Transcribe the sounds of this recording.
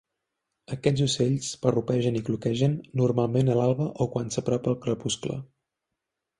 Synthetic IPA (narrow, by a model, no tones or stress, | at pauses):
əkɛd͡zuseʎspərupɛʒəniklukɛʒənːurmalˠmenəlalˠβəʔokwansəpɾɔpəl̚ˠkɾəpusklə̰